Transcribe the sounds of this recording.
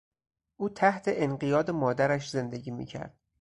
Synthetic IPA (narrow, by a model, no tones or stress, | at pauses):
ʔuːt̪ʰæht̪ʰe̞ʔenɢijɒːd̪e̞mɒːd̪æɾæʃze̞nd̪eɟiːmḭːcʰæ̰ɾd̪̥